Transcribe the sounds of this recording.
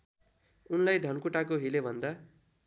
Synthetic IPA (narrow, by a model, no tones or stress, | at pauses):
unlajd̪ʱʌnkuʈak̬oɦilebʱʌnd̪a